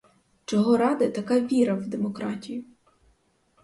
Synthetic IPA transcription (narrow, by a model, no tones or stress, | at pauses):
t͡ʃɔɦɔɾɑd̪ɐt̪ɐkaʋʲiɾɐwd̪emɔkɾɑtʲijʊ